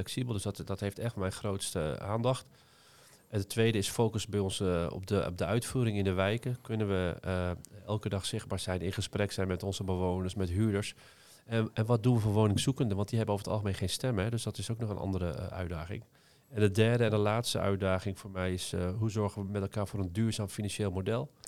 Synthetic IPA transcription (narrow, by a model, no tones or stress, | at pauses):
lɛksibəlˠdstdɔtheftɛxtmɛjxroːtstə̰a̰ːndɑxt | ɛndətʰːʋejdəɪsfoːkəsbɛjɔnsɔ̰pəp̚dəœɥtfuːɾɪŋɪndəʋɛjkəkønənʋə | ɛlˠkədɑxsɪxbaːɹz̥ɛjnɪ̃nχəsprɛksɛjnmɛtɔnzəbəʋoːnəɹsmɛtɦyːdəɹs | ɛnʋɔt̚dunʋəfoːɹʋoːnɪŋsukəndəʋɑnt̚diɦɛbənowvətʰɑ̰lˠxəmẽːnχeːnstɛmɦɛdøsdɔtɪsoknɔxənʔndəɾəʔœ̰ɥdaːɣɪ̰ŋ | ɛndədɛɹdəɛndəlaːtstə̰œ̰ɥt̚daːχɪŋfoːɹmɛjɪsɦuzɔɹɣənʋəmɛtɛlˠkaːɹvoːɾəndyːɹzaːmfinɑnseːlˠmodɛlˠ